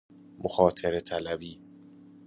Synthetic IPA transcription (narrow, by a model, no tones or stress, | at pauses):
moxɒːt̪ʰeɾet̪ʰælæbiː